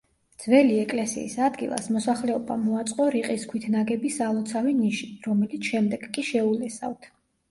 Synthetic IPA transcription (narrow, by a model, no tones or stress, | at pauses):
d̪z̥vɛliɛkʼlɛsḭːsad̪ɡilˠa̰smɔsaχlɛɔbamɔat̪sʼqʼɔɾiqʼiskʰwit̪ʰnaɡɛbisalˠɔt̪sʰaviniʃiɾɔmɛlit̪sʰʃɛmd̪ɛɡkʼiʃɛulɛsavt̪ʰ